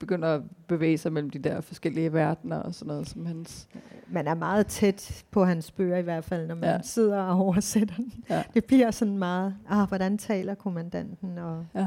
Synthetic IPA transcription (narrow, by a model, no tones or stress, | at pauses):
b̥e̝ɡ̥øn̰ɐæb̥e̝ʋḛːsɑ̈ɪmel̰m̩d̥id̥eɐ̰fɒ̽sɡ̥el̰iəʋæɐd̥nɐʔɒsɒnːɔ̽ːð̩ˠsɒmhænsmænæɐmɑ̈ːð̞̩ˠt͡sʰed̥pʰɒ̽ɦænsb̥ø̰ːɐiʋæɐ̰d̥fæl̰nɒmænse̝ð̞̰ˠɐɒɒʊɐsed̥ɐd̥e̝b̥liɐ̰sɒ̽nmɑ̈ːð̩ˠɒʋɒɾænt͡sʰɛ̰ːlɐkʰo̝mænd̥æn̰d̥n̩ɒ̽